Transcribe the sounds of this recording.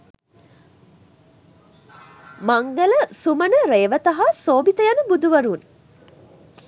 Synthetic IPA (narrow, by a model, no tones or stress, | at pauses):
maŋɡələsumənəɾeːʋət̪ɐɦasoːbit̪əjanəbud̪uʋəɾun